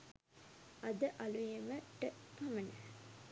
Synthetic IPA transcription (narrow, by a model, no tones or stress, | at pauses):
ad̪əʔalujeməʈəpamənə